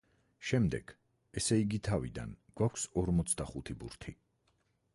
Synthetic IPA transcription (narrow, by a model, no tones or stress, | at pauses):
ʃɛmd̪ɛ̰ɡ̥ | ɛsɛiɡit̪ʰavḭd̪a̰nɡ̥wakʷʰsɔɾmɔt̪sʰd̪aχut̪ʰibṵɾt̪ʰi